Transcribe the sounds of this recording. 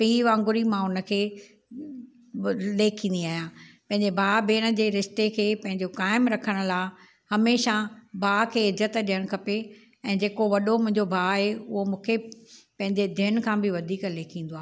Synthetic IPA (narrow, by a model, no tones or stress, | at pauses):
pĩʋãːŋɡʊɾimãʊnə̆kʰeː | leːkʰĩːnd̪iaːɦjãːpɐ̃ɦɪ̃ɲd͡ʑebʱaːbeːɽ̃ə̆d͡ʑeːɾɪʃt̪ekʰeːpɐ̃ɦɪ̃ɲd͡ʑokaːɪmɾɐkʰəɽ̃ʊ̆laːɪ | hɐmeːʃabʱaːkʰeːɪzət̪ɗijəɽ̃kʰɐpe | ɛ̃ːd͡ʑeːkoʋɐɗomʊ̃ɦɪ̃ɲd͡ʑobʱaːɦeʊ̰ɦomũːkʰepɐ̃ɦɪ̃ɲd͡ʑed̪ʱɪən̆kʰãːbɪʋɐd̪ʱiːkleːkʰĩːn̆d̪oaː